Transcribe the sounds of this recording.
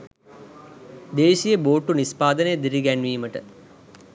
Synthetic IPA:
d̪eːʃijəboːʈːunispaːd̪ənəjəd̪iɾiɡænʋiːməʈə̰

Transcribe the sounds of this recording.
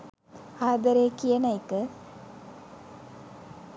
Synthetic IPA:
aːd̪əɾeːkijənajkə

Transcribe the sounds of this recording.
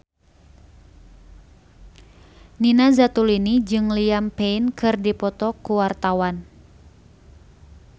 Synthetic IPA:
ninazat̪ulinid͡ʒɨŋliampeinkɨrdipɔt̪ɔkuwart̪awan

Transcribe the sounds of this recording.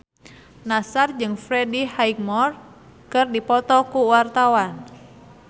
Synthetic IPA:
nasard͡ʒɨŋfɾɛdihaik̚mɔr | kɨrdipɔt̪ɔkuwart̪awan

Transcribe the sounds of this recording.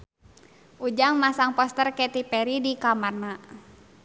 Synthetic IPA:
ʔud͡ʒaŋmasaŋpɔst̪ərkɛt̪ipɛɾidikamarna

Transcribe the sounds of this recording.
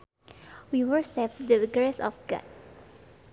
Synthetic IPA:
wiwəɹsɛfdəɡɹesɔ̰fɡɔ̰t̚

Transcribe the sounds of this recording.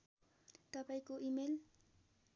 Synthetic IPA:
t̪ʌpaĩkoʔimel

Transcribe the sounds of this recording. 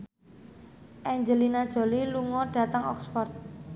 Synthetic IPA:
ʔɛɲd͡ʒəlinad̥ʒ̥o̤liluŋɔɖ̥ä̤t̪aŋɔ̰ksfɔrt̪̚

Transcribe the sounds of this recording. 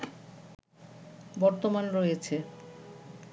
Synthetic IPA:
bɔɾt̪omanɾojet͡ɕʰe

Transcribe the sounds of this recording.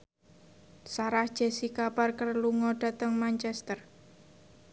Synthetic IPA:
saɾahd̥ʒ̥ɛsikaparkərluŋɔɖ̥a̤t̪əŋmant͡ʃɛst̪ər

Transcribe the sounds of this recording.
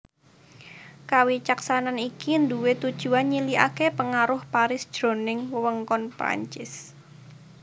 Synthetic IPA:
kawit͡ʃaksananikind̪uwet̪ud̥ʒ̥ṳanɲilia̰kepəŋaɾʊhpaɾɪsd̥ʒ̥ɾo̤nɪŋwəwəŋkɔnpɾa̰ɲt͡ʃɪs

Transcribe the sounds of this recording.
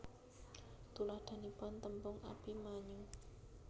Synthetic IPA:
t̪ulahd̪̥a̤nipɔnt̪əmpʊŋʔa̰pimaɲu

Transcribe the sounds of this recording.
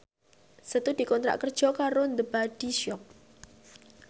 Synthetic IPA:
sət̪ud̥i̤kɔnt̪ɾa̰ʔkərd̥ʒ̥ɔ̤kaɾond̪əbaɖ̥i̤ʃɔp̚

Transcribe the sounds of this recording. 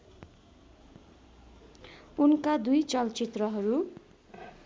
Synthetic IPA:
unkad̪ujt͡sʌlt͡sit̪rʌɦʌɾu

